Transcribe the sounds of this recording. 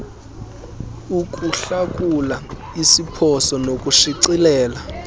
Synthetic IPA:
uk̬ʼuɬak̬ʼula | isipʰɔsɔnokʼuʃiǀilɛːla

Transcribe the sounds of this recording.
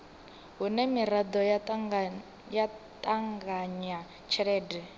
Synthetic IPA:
ɦunɛmiɾad̪ɔ | ja | t̪ʼaŋɡaɲa | t͡ʃʰɛɺɛːdɛ

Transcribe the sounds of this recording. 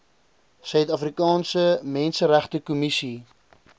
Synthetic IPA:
sœɥtɐfrikɑːnsəmɛnsəɾæχtəkumisi

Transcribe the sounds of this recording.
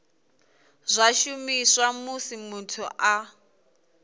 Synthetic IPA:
zʷaʃumiswamusimutʰuʔa

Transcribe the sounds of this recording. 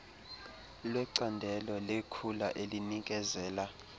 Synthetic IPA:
lwɛǀandʱɛlɔlekʰulaʔelinik̬ʼɛzɛːla

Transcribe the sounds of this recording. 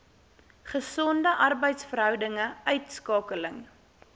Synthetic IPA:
χəsɔndəʔɐrbəjtsfərɦœwdəŋəœɥtskɑːkələŋ

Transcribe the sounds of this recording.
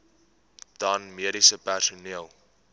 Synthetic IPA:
d̥ɐnmiəɾisəpærsuniəlˠ

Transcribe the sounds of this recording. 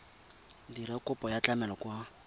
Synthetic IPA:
diɾɛkʼʊpʼɔjat͡ɬʼamɛlɔkwa

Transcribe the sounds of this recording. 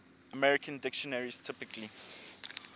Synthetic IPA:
əmɛɹikʰə̃ndɪkʃɔnaɹistʰɪpɪkʰli

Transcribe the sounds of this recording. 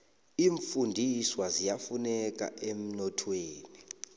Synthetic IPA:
iːɱfundʱiswazijafunɛk̬ʼa̰ʔem̩nɔtʰweːni

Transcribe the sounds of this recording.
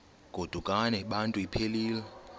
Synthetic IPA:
ɡ̥ʱod̥ʱukʼanɛɓantʼuipʰeliːlɛ

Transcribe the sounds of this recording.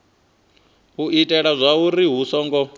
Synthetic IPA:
ɦuʔitʼɛɺazʷauɾiɦusɔːŋɡɔ

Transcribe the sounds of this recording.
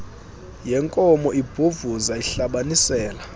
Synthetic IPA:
jɛŋkʼɔmɔʔib̥ʱuvuzaiɬaɓanisɛːla

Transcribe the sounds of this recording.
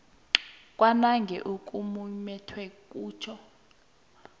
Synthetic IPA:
kʼwanaŋɡʱɛ̰ʔukʼumumɛtʰwɛkʼuːt͡ʃʰɔ

